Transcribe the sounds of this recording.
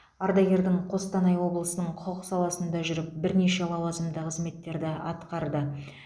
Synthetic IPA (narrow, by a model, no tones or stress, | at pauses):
ɑɾd̪ɑɡʲe̞ɾd̪ɪɴqʰo̞st̪ɑnɑjwo̞blˠəsənəɴqʰoəsɑlˠɑsənd̪ɑʒʏɾɪp̚bɪɾne̞ʃe̞lˠɑwɑzəmd̪əqʰəzme̞t̪ːe̞ɾd̪ɪɑt̪qɑɾd̪ə